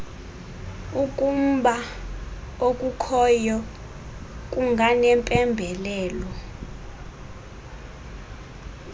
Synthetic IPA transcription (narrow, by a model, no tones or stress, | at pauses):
ukʼum̩ɓa | okʼukʰɔjɔ | kʼuŋɡʱanɛmpʼɛmbʱɛlɛːlɔ